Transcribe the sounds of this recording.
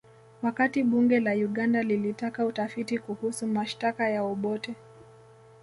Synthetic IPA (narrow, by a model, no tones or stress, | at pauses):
wakatiɓuŋɡɛlauɠandalilitakautafitikuhusumaʃtakajaɔɓɔtɛ